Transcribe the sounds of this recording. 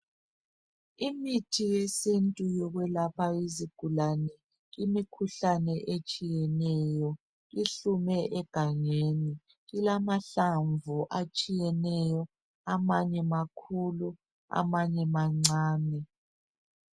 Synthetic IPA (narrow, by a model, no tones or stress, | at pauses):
imitʰijesentʼujɔɣwɛlapʰaiziɡ̥ʱulanɛ | ɣimikʰuɬanɛʔet͡ʃʼijɛnɛjɔ | ɣiɬumɛʔɛɡ̥ʱaŋeːni | ɣilamaɬaɱvuʔat͡ʃʼijɛnɛjɔ | amaɲɛmakʰulu | a̰maɲɛmaŋ͡ǀaːnɛ